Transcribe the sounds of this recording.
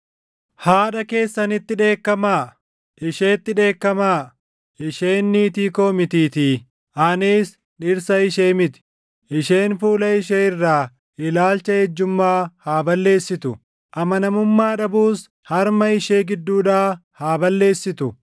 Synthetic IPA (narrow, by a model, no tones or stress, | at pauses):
haːᶑɐke̞ːsːɐnɪt̪ːɪᶑe̞ːkːɐmaː | ʔɪʃe̞ːt̪ːɪᶑe̞ːkːɐmaː | ɪʃe̞ːnːiːt̪iːko̞ːmɪt̪iːt̪iː | ʔɐniːs | ᶑɪɾsɐɪʃeːmɪt̪ɪ̥ | ʔɪʃe̞ːnfuːlɐɪʃeːɪrːaː | ɪlaːlt͡ʃːɐhɛd͡ʒːʊmːaːhaːbɐlːe̞ːsːɪt̪ʊ | ʔɐmɐnɐmʊmːaːᶑɐbuːs | hɐɾmɐɪʃe̞ːɡɪd̪ːuːᶑaːhaːbɐlːe̞ːsːɪt̪ʊ